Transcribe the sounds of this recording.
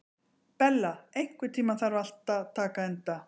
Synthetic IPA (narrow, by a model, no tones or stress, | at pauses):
pɛlːaejŋ̥kvʏt̪ʰiːmaθaɾval̥t̪at̪ʰaːkaɛnt̪a